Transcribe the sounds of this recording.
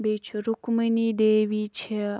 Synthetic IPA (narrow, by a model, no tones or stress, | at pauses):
bet͡ʃʰɾukmənid̪eʋit͡ʃʰe